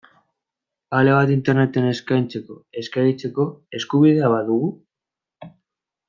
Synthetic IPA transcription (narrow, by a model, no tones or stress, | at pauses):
aleβ̞at̪int̪ernet̪eneskajnt͡se̞koeskait͡seko̞e̞skuβiðaβaðuɣu